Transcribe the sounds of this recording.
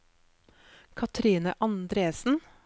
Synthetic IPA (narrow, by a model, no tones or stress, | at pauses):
kʰɑt̪ʰɾiːnə̰ʔɑnd̪ɾeːsn̩